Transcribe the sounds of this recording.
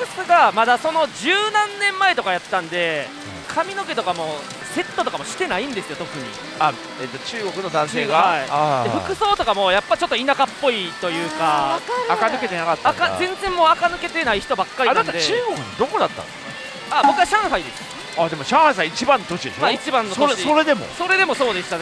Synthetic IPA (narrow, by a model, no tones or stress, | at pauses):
kɯ̟sɨɡamad̪aso̞no̞d͡ʑɨːnãnːẽ̞mːae̞t̪o̞kajat̪ːãnd̪e̞ | kʰamʲino̞ke̞t̪o̞kamo̞ | se̞t̪ːo̞t̪o̞kamo̞ɕi̥t̪e̞naĩnd̪e̞sɨjo̞t̪o̞kɯ̟ɲ̟ḭ | a | et̪ːot͡ɕɨːɡo̞kɯ̟nod̪ãɰ̃sseːɡaaiad̪eɸɯ̟kɯ̟so̞ːt̪o̞kamo̞japːai̥t͡ɕo̞t̪ːoinakapːo̞it̪o̞jɯ̟ːkaaakanɯke̞t̪e̞nakat̪ːakazẽnd͡zẽmːo̞ːakanɯ̟ke̞t̪e̞naiçi̥t̪o̞bakːaɾʲinãnad̪eɨːɡokɯ̟d̪oko̞d̪at̪ːa̰nk | abo̞kɯaɕãɰ̃haid̪e̞sɨ̥ | ad̪e̞mo̞ɕãɰ̃hais̬ãit͡ɕibãnːot̪o̞ɕid̪esmait͡ɕibãnːosot͡ɕioɾe̞d̪e̞mo̰so̞ɾe̞d̪e̞mo̞so̞ːd̪e̞st̪a